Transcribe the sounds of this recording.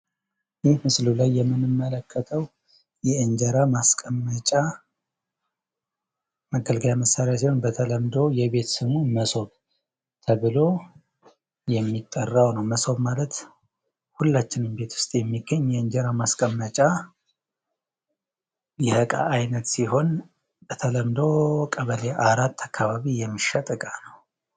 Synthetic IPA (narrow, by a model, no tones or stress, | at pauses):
jɪhmɨslulajːɛmːɨnɨmːələkʰːət̪ʰəw | jɛɨɲd͡ʒəɾamaskʼəmːət͡ʃʼa | məɡəlɡəljaməsːaɾejasionbət̪ʰələmd̪o̞wjɛβe̞t̪sɨmuməso̞β | t̪ʰəβɨlo̞ | jɛmːit̪ʼːərːawnəwməso̞βmalət̪ | hulːat͡ʃːɪnɨmbe̞t̪ʰwʊ̥st̪ʼjɛmːiɡːəɲːɛɨnd͡ʒɛɾamaskʼəmːət͡ʃʼa | jɛhəkʼa̰ʔːjnət̪siɦo̞n | bət̪ʰələmd̪o̞kʼəβəleʔaɾat̪ʰːakʰːaβaβijɛmːiʃːat̪ʼɨkʼanəw